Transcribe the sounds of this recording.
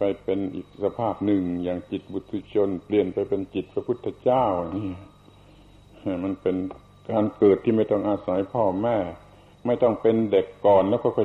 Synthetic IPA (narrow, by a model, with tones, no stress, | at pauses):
pa˧jpe˧nʔḭː˨˩k̚sa˧pʰaː˧˥˩p̚nɯ˨˩ŋjaː˨˩ŋt͡ɕi˨˩t̪̚bu˧t̪ʰːi˧t͡ɕʰo˧˥˨npli˨˩ənpa˧jpe˧nt͡ɕi˨˩t̪̚pʰɾa˧pʰu˧˥˩t̪ʰːa˧t͡ɕaː˥˩wha˨˧˩ni˧˥˨ | a˧˩ma˧˥˨npe˧n | kaː˧nkɤː˨˩t̪ʰːiː˧˩ma˥˩jt̪ɔ˧˥˩ŋʔaː˧sa˨˦jpʰɔː˧˩mɛː˧˩ | ma˥˩jt̪ɔ˧˩ŋpe˧nde˨˩kːɔː˨˩nlɛː˦˥˩kʰːkʰɔ˧˩˨